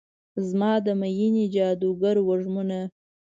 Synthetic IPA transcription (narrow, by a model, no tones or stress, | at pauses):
zmɑd̪əmajinid͡ʒɑd̪uɡaɾwaʐmuna